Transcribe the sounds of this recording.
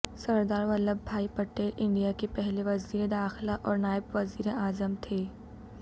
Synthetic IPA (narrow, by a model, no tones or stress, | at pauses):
sɐɾd̪aːɾʋɐləbbʱaːipɐʈːeːlʔɪ̃ɳɖijakepɛɦleʋɐziːɾed̪aːxlaʔɔːɾnaːɪbʋɐziːɾeʔaːzəmt̪ʰeː